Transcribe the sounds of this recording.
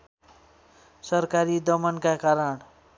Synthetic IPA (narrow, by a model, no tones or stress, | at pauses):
sʌɾkaɾid̪ʌmənkakaɾəɳ